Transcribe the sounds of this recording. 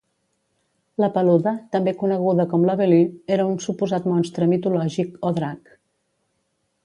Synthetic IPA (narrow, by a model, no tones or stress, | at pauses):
ləpəluðət̪əmbekunəɣ̞uðəkɔmləβelyeɾəunsupuzat̪mɔnst̪ɾəmit̪ulɔʒikoðɾak